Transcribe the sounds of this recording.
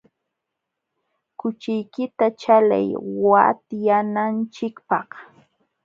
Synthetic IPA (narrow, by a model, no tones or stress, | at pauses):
kʊt͡ʃɪjkɪt̪at͡ʃala̰jwa̰t̪janant͡ʃɪkpɑχ